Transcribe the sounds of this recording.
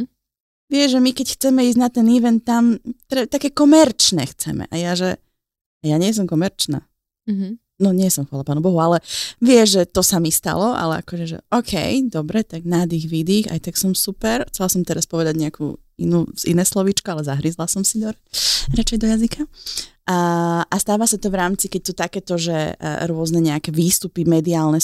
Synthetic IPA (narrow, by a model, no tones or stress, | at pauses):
ʋɪɛʒɛmikɛcxt͡sɛmɛiːzɟnat̪ɛniʋɛnt̪̚ːamt̪ɾɛt̪akɛːkɔmɛɾt͡ʃnɛ̰xt͡sɛ̰mɛ̰ʔajaʒɛ | ajaɲɪɛs̬ɔmkɔmɛɾt͡ʃna̰ː | nɔɲɪɛsɔmxʋaːlapaːnubɔɦualɛʋɪɛʒʒɛt̪ɔsamist̪a̰lɔʔa̰lɛ̰a̰kɔʒɛʒɛ̰ʔɔkʰɛ̰jd̪ɔbɾɛt̪aɡnad̪iːɣʋid̪iːxa̰jt̪aksɔmsupɛɾxt͡sɛlasɔmt̪ɛɾaspɔʋɛd̪aɟɲɛakʰṵː | ḭnuːzḭnɛjslɔʋit͡ʃkɔalɛzaɦɾizlasɔmsid̪ɔɾɾat͡ʃɛjd̪ɔjazikʰaaʔast̪aːʋasat̪ɔvɾaːmt͡sikɛc̚t̪ut̪akɛt̪ɔʒɛ̰ɾʊɔznɛɲɛakɛʋiːst̪upimɛd̪iaːlˠnɛ